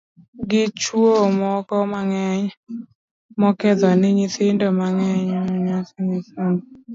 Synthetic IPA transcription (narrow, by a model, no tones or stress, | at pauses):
ɡɪt͡ʃwomɔkɔmaŋɛɲ | mɔkɛd̪ɔnɪɲɪθɪndomaŋɛɲɲasɪŋɪsoŋ